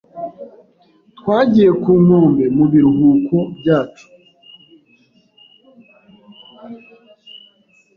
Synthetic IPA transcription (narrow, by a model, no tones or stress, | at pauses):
twaːɟije̞kuːŋoːmbe̞muβiɾuɦuːkobjaːt͡ʃu̥